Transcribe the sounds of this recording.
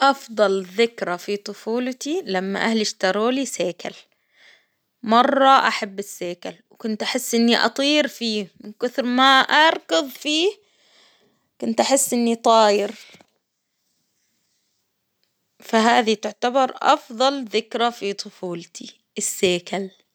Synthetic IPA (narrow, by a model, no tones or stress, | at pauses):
ʔɑfd̪ˤɑlðɪkɾafit̪ˤʊfuːlt̪ilamːa̰ʔahlɪʃt̪ɑɾˤoːliseːka̰l | mɑrˤːɑʔaħabːɪsːeːkalwkʊnt̪ʔaħɪsːʔɪnːiʔɑ̰t̪ˤiːɾfiːmɪnkʊθɾmaʔɑɾˤkʊðˤfiː | kʊnt̪ʔaħɪsːʔɪnːit̪ˤɑːjɪɾ | faɦaːðit̪ʊʕt̪abɑɾˤʔɑ̰fðˤɑlðɪkɾafit̪ˤʊfuːlt̪ʰi | ʔɪsːeːkal